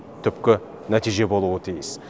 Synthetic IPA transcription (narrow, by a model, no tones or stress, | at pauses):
t̪ʰʏpkʲɪ | næt̪ijʒe̞bo̞lˠuət̪ʰijɪs